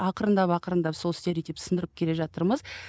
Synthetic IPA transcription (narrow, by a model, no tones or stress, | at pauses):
ɑqəɾənd̪ɑpɑqəɾənd̪ɑpso̞lˠst̪eɾet̪epsənd̪əɾəp̚kʲʰe̞le̞ʒɑt̪əɾməz̥